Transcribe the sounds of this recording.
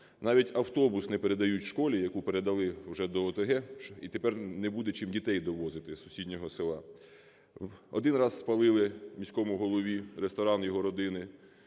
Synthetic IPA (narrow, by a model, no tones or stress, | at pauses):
nɑʋʲitʲɐwt̪ɔbʊsnɛpeɾe̞d̪ɐjutʲʃkɔlʲijɐkupeɾed̪ɐlˠɪwʒɛd̪ɔːt̪eɦɛit̪epɛrnɛbud̪ɛt͡ʃimdʲit̪ɛjd̪ɔʋɔzɪt̪ɪsʊ̥sʲidʲnʲɔɦɔsɪlˠɑ | ɔd̪ɪnrɑzːpɐlˠɪlˠɪmʲisʲkɔmʊɦɔlˠɔʋʲiɾest̪ɔɾɑnjɔɦɔɾɔd̪ɪnɪ